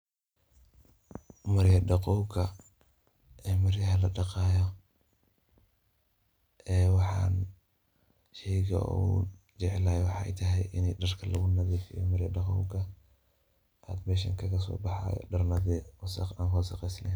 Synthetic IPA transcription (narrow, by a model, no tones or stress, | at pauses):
mɐɾjɐɖɑqɔwɡɐ | ʔɛːmɐɾjɐɦɐlɐɖɑqɑːjɔ | ʔɛːwɑħɑ̰ːn | ʃɛjɣɐ̰ṵːd͡ʒɛʕɛlaːjɛwɑħɑʔɛ̰jt̪ʰɐɦɛjʔɪnɛjɖɐrkʰɐlɐɣʊnɐðɛːfḭjɔ̰mɐɾjɐɖɑqɔ̰wɡɐ | ʔaːd̪mɛːʃ̬ɐŋkʰɐɣɐs̬ɔ̰ːbɑħɑ̰ːjɔ̰ɖɐrnɐðɛwɐsɑ̰qaːnkɔːsɑqɛjsnɛn